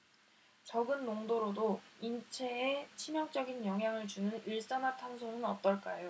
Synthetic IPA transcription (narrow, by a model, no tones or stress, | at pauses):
t͡ɕʌɡɯnːoŋdoɾodoint͡ɕʰe̞et͡ɕʰimjʌŋt͡ɕ͈ʌɡinjʌŋɦjaŋɯɭt͡ɕunɯniɭs͈ʌnatʰansʰoŋɯnʌt̚t͈ʌɭk͈ajo